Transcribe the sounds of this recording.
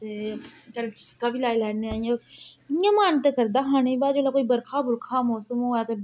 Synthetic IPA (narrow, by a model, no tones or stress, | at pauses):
t̪ekəlt͡ʃɪ̥skaːbʱilaːjlɛːneaːijãjãːmaːnt̪ekəɾd̪aːɦaːnẽbaːd͡ʒoːlaːkoːibəɾkʰaːbʊɾkʰaːmɔːsəmoːjaːt̪e